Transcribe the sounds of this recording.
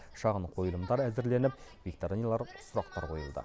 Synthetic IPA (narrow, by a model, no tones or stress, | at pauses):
ʃɑʁəɴqʰo̞jəlˠəmd̪ɑɾæzɪɾle̞nɪp̚vʲik̚t̪oɾinʲijalˠɑɾsʊɾɑqt̪ɑɾqʰo̞jəlˠd̪ə̰